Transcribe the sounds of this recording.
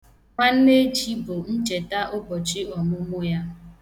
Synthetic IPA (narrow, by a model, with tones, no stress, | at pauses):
ŋʷa˦n̩˦ne˦d͡ʒi˦bʊ˨n̩˦t͡ʃe˨ta˦ʔʊ˦bɔ˨t͡ʃɪ˦ɔ˨mʊ˦mʊ˦ja˦